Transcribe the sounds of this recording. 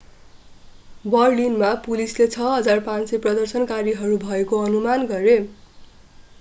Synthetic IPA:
bʌrlinmapulislet͡sʰʌɦʌd͡zarpãnsʌprʌd̪ʌrsʌnkaɾiɦʌɾubʱʌekoʌnumanɡʌɾe

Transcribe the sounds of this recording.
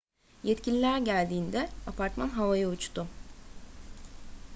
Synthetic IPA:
jɛt̪cʰilʲilʲæɾɟælʲd̪iːnd̪ɛapʰaɾt̪manɦavajaut͡ʃt̪ʊ

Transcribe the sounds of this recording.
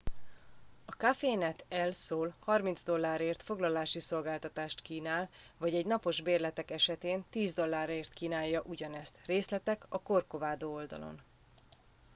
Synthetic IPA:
ɒkafeːnɛt̪ɛlsoːlhɒrmind̪zd̪o̞lːaːɾeːrt̪fo̞ɡlɒlaːʃiso̞lɡaːlt̪ɒt̪aːʃt̪kiːnaːl | vɒɟɛɟnɒpo̞ʒbeːrlɛt̪ɛkɛʃɛt̪eːnt̪iːzd̪o̞lːaːɾeːrt̪kiːnaːjːɒʔuɟɒnɛst̪reːslɛt̪ɛkɒko̞rko̞vaːd̪oːo̞ld̪ɒ̰lo̞̰n

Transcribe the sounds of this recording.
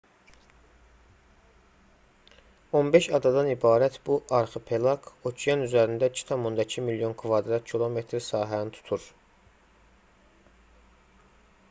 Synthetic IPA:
o̞nbe̞ʃɑd̪ɑd̪ɑnibɑːɾæt̪ʰbuʔɑɾχɯpʰe̞lɑkʰot͡ʃʰijɑnyzæɾind̪æcʰi̥t̪ʰɑmund̪ɑcʰimiljo̞nkʰvɑd̪ɾɑt̪cʰilˠo̞me̞t̪ʰɾsɑːɦænit̪ʰu̥t̪ʰuɾ

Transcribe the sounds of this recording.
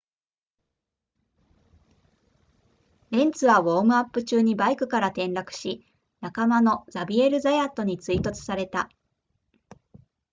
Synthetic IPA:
ɾẽ̞nt͡sɨβaβo̞ːmɯ̟apːɯ̟t͡ɕɨːɲ̟ibaikɯ̟kaɾat̪ẽ̞nɾakɯ̟̥ɕi | nakamano̞zabʲie̞ɾɯ̟zajat̪ːo̞ɲ̟it͡sɨit̪o̞t͡sɨ̥saɾe̞t̪a

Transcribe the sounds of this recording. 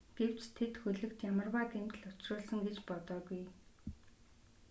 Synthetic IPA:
ɡ̥ew̥t͡ɕt̪ʰet̪xɵɮɵ̆kt̪jamə̆rwaːt̪em̥t̪ɘ̆ɮʊt͡ɕrʊːɮsə̆ŋɡet͡ɕpɔt̪ɔːɣuj

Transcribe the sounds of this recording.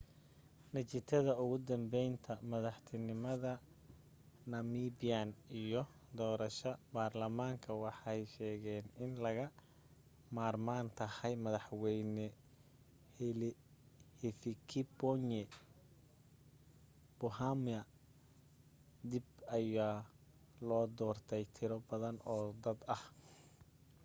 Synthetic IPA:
nɐt͡ʃɪt̪ʰɐðɐʊɣʊd̪ɐmbɛjnt̪ʰɐmɐðɑħt̪ʰɪnɪmɐðɐ | nɐmiːbianijɔ | d̪ɔːɾɐʃɐbaːrlɐmaːŋkʰɐwɑħɑjʃɛːɣɛːnɪnlɐɣɐ | maːrmaːnt̪ʰɐhɐjmɐðɑħwɛjnɛ | l | hɛfikʰɪbɔɲɛ | b̥ʊɦamɐ | d̪ibɐjaː | lɔːd̪ɔːrt̪ʰɛjt̪ʰɪɾɔbɐðɐnɔːd̪ɐd̪ɐh

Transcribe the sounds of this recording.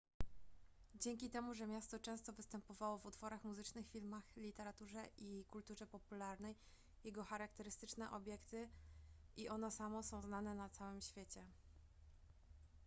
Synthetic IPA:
d͡ʑɛŋʲkʲit̪ɛmuʐɛmʲjast̪ɔt͡ʂɛ̃w̃st̪ɔvɘst̪ɛmpɔvawɔvut̪fɔɾaxmuzɘt͡ʂnɘxfʲilmaxlʲit̪ɛɾat̪uʐɛʔikult̪uʐɛpɔpulaɾnɛj | jɛɡɔxaɾakt̪ɛɾɘst̪ɘt͡ʂnɛʔɔbʲjɛkt̪ɘʔiʔɔnɛsamɔsɔ̃w̃znanɛnat̪sawɘmɕfʲjet͡ɕɛ

